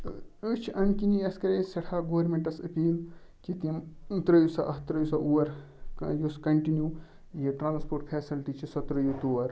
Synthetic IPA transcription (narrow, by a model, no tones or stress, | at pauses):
ut͡ʃʰiʔɐnkiniɐskɐɾesɐʈʰaːɡoːɐɾmẽɳʈɐsɐpiːl | kit̪imt̪ɾɐjusa̰ʔɐɦt̪ɾɐjusɐʔuːɐɾ | juskɐɳʈinjuː | jiʈɾãːnspoːɾʈpʰeːsilʈit͡ʃʰisɐt̪ɾɐjut̪uːʋɐɾ